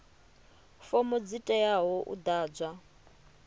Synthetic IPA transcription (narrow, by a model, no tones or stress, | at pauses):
fɔmɔd͡zitʼɛjaɦɔʔṵd̪aːd͡zʷa